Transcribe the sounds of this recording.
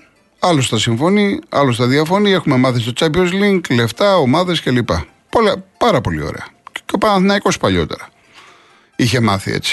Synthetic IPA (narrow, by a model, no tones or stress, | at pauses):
ɐlost̪ɐsiɱfo̞niɐ̰lost̪ɐðiɐfo̞nie̞xume̞mɐθist̪o̞t͡sɐpiozliŋɡle̞ft̪ɐo̞mɐðe̞sce̞lipɐ | polepɐɾɐpo̞lḭo̰ɾḛɐopɐɐnθinɐiko̞spɐʎo̞̰t̪e̞̰ɾɐ | içe̞mɐθḭḛt͡si̥